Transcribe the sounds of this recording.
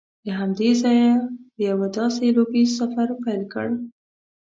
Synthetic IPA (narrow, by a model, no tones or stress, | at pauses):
d̪əɦamd̪ezɑjaəjawad̪ɑselobisafaɾpajlkə̰ɽ